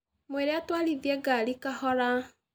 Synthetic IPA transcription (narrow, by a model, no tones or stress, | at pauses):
mweɾɛatwaliðjɛɡalikahɔɾa